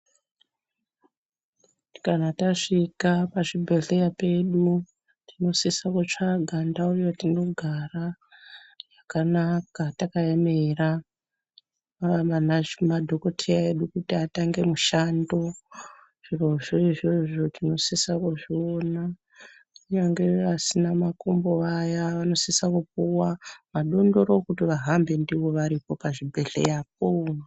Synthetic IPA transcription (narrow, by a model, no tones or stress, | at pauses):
kanataʂikapaʐibʱeɮejape̞ɗu | tino̞sisakut͡ʂaɡʱandaujotino̞ɡʱara | jakanakatakaemera | manamadʱo̞ko̞tʰejae̞ɗukutiataŋɡe̞muʃando̞ | ʐ̥iroʐoʐeʐo̞tino̞sisakuʐiona | uɲaŋɡe̞ʋasinamakomboajaʋano̞sisakupuwaʋaɗo̞ndo̞ɾokutiʋaɦambe̞ndiʋo̞ʋaɾipo̞paʐibʱe̞ɮe̞̰jap̚o